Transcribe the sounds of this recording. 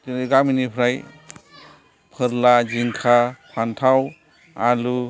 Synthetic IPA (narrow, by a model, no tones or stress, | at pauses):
ɡaminipʰɾaj | pʰəɾlad͡ʒiŋkʰapʰantʰaw | alu